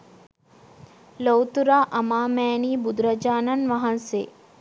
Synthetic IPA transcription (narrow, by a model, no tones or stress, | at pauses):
lowt̪uɾaʔɐmaːmɛːniːbud̪ɾɐd͡ʒaːnɐnʋɐɦɐnsḛː